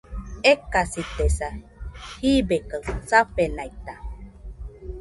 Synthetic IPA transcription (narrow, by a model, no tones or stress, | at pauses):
ekasit̪esa | hibekasapenait̪a